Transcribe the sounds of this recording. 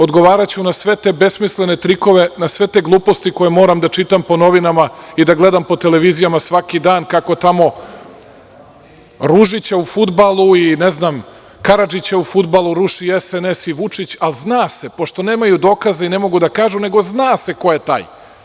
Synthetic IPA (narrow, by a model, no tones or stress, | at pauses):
o̞d̪ɡo̞ʋaːɾat͡ɕunasʋe̞t̪ebe̞smisle̞ne̞t̪ɾiko̞ʋe̞nasʋe̞t̪eɡlˠuːpo̞st̪iko̞jemo̞ːɾamd̪at͡ʃit̪ampo̞no̞ʋinamaid̪aɡle̞d̪ampo̞t̪e̞le̞ʋizijamasʋakid̪aːnkako̞t̪amo̞ | ɾuʒit͡ɕaufud̪balˠuineznam | kaɾad͡ʒit͡ɕaufud̪balˠuɾuʃiesenesiʋut͡ʂit͡ɕalznaːse̞po̞ʃt̪o̞neːmajud̪o̞ːkazaine̞mo̞ɡud̪akaːʒune̞ɡo̞znaːse̞ko̞jet̪a̰ːj